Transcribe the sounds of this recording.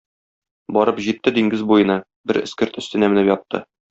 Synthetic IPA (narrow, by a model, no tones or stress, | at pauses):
bɒɾɤpʑit̪ːɘd̪iŋɡɘzbujɤ̆nɑ | bɘɾɘ̆skɘ̆ɾt̪ɵ̆st̪ɘ̆næmɘ̆nɘpjɒt̪ːɤ̰